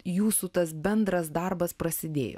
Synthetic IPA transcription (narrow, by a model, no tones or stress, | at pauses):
juːsut̪ɐs̬bʲɛnd̪ɾɐsd̪ɐrbɐspɾɐsʲɪd̪ʲḛːjo̰ː